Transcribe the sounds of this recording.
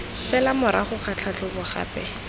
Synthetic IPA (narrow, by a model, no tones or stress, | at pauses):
fɛlamʊɾaχʊχat͡ɬʰat͡ɬʊbʊχa̰ːpɛ